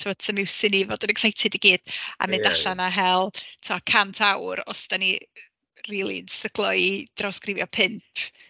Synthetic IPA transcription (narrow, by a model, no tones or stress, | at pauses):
tʰɪmɔd̥sʰəmɪwsɪnivoːdɪnɛksajtʰɪdiɡiːd̥a̰mɪndaɬanaɦɛlˠtʰuakʰantʰawɾɔsd̥ani | riːlˠḭnsrəɡ̥lˠɔid̥rɔskrɪvjɔpʰɪmpʰ